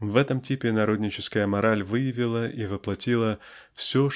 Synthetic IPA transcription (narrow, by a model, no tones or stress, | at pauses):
vɛt̪əmtʲipʲɪnɐɾo̞d̪ʲnʲɪt͡ɕɪskəjəmɐɾalʲvɨjɪvʲɪlˠəʔivɨplˠɐtʲilˠə | fsʲo